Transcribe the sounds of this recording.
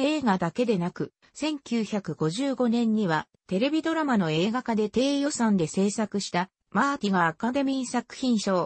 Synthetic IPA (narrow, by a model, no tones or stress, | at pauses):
eːɡad̪ake̞d̪e̞nakɯ̟ | sẽ̞ŋkʲɨːçakɯ̟ɡo̞ʑɨːɡo̞nẽ̞ɲ̟ːiβa | t̪e̞ɾe̞bʲid̪o̞ɾamano̞e̞e̞ːɡakad̪e̞t̪e̞ːjo̞sãnd̪e̞se̞ːsakɯ̟ɕi̥t̪a | maːt̪ʲiɡaːkad̪emʲĩɰsakɯ̟̥çĩɰ̃ɕo̞ː